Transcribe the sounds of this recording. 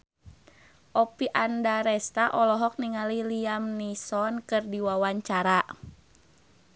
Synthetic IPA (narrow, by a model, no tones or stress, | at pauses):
ʔɔpiʔandaɾɛst̪aʔɔlɔɦɔk̚niŋaliliamnisɔnkɨrdiwawaɲt͡ʃaɾa